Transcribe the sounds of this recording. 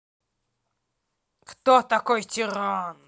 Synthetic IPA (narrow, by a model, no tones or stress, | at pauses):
kt̪ot̪ɐkojtʲɪɾan